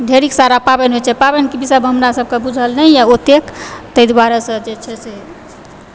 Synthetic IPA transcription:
d̪ʱeɾiksaɾapabenɦot͡ʃʰɛpabenkibisəbɦəmɾasəb̚ʱkebud͡ʒʱəlnəjjaot̪ekt̪əjd̪waɾəsə̃d͡ʒet͡ʃʰɛse

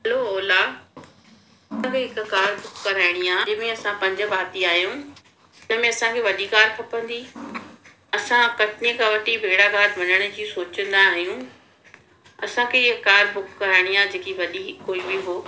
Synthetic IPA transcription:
ɦɐloɔːlaː | ɐsãkʰeːɦɪkkaːɾbʱʊkkɐɾaːɪɽ̃iaːɦmẽɐsãpɐ̃ɲd͡ʑə̆baːt̪iaːɦjũ | d͡ʑɐɦmẽɐsãkʰeːʋɐɗikaːɾpʰɐpə̃nd̪iː | ɐsãkɐʈɪnikʰãʋɐʈibʱeːɽaɡaːɾʋɐnəɽ̃ə̆d͡ʑiːsoːt͡ɕə̃nd̪aːɦijũː | ɐsãkʰeɪkːaːɾbʊkːɐɾaːɪɽ̃ijaːd͡ʑeːkiʋɐɗikoːibiɦoː

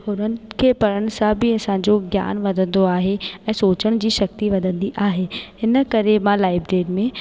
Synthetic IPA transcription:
ɦʊnənɪ̆kʰeːpɐɾəɽ̃ɪ̆sãbʱɪɐsãɲd͡ʑoɡja̰ːnʋɐd̪ʱə̃nd̪oaːɦeɛ̃ːsoːt͡ɕəɽ̃d͡ʑiːʃɐk̚t̪iʋɐd̪ʱə̃nd̪iʔaːɦeɦɪnəkɐɾemãlaːɪbɖeːʈmẽ

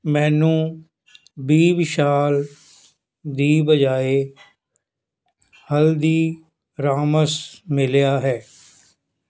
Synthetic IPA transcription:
mɛ̃ːnũː | biːbɪʃaːl | d̪iːbəd͡ʒaːeː | həld̪iː | ɾaːməsmɪljaːɦɛː

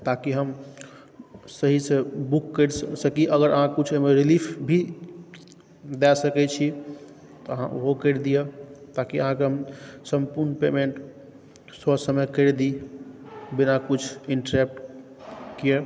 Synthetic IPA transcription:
t̪akiɦəm | səɦisebukːəɾssəkiʔəɡəɾəɦãkut͡ʃʰemeɾilipʰbʱi | d̪ɛsəkɛt͡ʃʰi | t̪ɔəɦã̰ʔoɦokəɾd̪ijet̪akiəɦãkeɦəmsəmpuɾnpemeɳʈ | sɔsəməjkəɾd̪i | binakut͡ʃʰiɳʈəɾep̚ʈ | kie

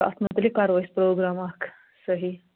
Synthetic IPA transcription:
a̰t̪ʰmət̪likaɾʋajspɾoɡɾamak | səɦi

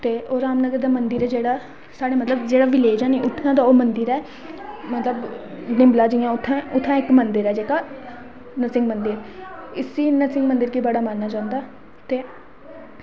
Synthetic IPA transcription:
t̪eːʔoːɾaːmnəɡəɾd̪aːmənd̪əɾɛːd͡ʒeːɽaː | saːɽeːmət̪ləbd͡ʒeːɽaːʋɪleːd͡ʒãːnĩːʔʊʈʰːnãːd̪aːoːmənd̪əɾɛː | mət̪ləbnɪmlaːd͡ʒijãːʊt̪ʰːãːʔʊt̪ʰːãːɪkmənd̪əɾɛːd͡ʒeːkaː | nəsɪŋɡmənd̪əɾɪsiːnəsɪ̃ŋɡmənd̪əɾkiːbəɽaːmaːnːaːt͡ʃãːʊ̃nd̪aː | t̪eː

